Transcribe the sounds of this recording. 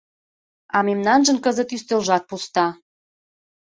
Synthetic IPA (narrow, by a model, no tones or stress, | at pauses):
ɑmemnɑnʒə̆nkəzə̆t̪yst̪ølʒɑt̪̚pust̪ɑ